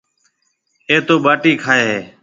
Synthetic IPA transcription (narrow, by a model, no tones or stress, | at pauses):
eːt̪oːɓaːʈiːkʰaːeːɦeː